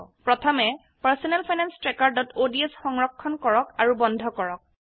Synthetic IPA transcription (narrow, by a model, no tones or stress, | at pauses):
pɹɔtʰɔmɛ | paɹsɔnɛlpʰajnanstɹɛkaɹdɔtodiɛsxɔŋɹɔkʰːɔnkɔɹɔkaɹubɔnd̪ʱɔkɔɹɔk̚